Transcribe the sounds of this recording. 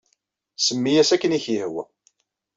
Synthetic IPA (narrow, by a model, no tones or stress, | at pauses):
səmːijæsækːəniçjəhwæ̰